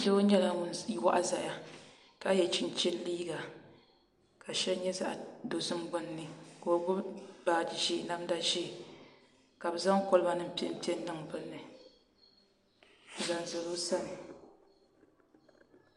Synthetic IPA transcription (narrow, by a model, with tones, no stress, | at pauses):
lɨ˦o˦ɲɛ˦la˦n˦wa̰˦ʔa˦za˨ja˦ | ka˦jɛ˨t͡ʃi˦n˨t͡ʃɪ˦lliː˦ɡa˨ | ka˨ʃɛ˦ɲɛ˦za̰˨ʔdo˨sɨ˦mɡ͡bʊ˦nː˦ɨ˨ko˨o˨ɡʊ˦baː˨d͡ʒi˨ʒi˦˨˦na˦m˦da˦ʃɛ˦˨ | ka˨bɨ˨za˦ŋkɔ˦lɨ˦ba˦nɨ˦m̩˦pɛ˦pɛ˦n̩˦nɨ˦ŋbɨ˦lːɨ˨ | za˨n˨zɨ˨lo˦sa˦nɨ˨